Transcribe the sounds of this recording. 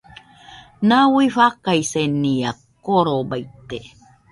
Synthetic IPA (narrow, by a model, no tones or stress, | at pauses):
nawiɸakaiseniakoɾobait̪ːe